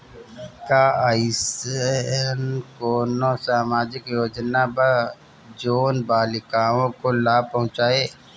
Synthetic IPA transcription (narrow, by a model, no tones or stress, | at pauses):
kaːaɪs | nkoːnosaːmaːd͡ʒɪkjoːd͡ʒnaba | d͡ʒoːnbaːlɪkaːõkolaːpəɦʊ̃t͡ʃaːeː